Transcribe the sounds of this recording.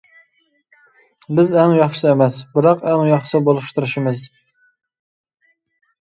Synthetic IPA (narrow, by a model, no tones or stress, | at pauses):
bɪzɛŋjɑχʃɨ̥sɨemɛsbɪɾɑqæŋjɑχʃsɨbolˠɨʃt̪ɨɾɨʃimɨz